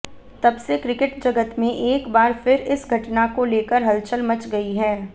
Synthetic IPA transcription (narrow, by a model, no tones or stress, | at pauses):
t̪ɐbsekɾɪkɪʈd͡ʒɐɡət̪mẽʔeːkbaːɾfɪɾɪsɡʱɐʈnakoleːkəɾɦɐlt͡ʃəlmɐt͡ʃɡɐiɦɛː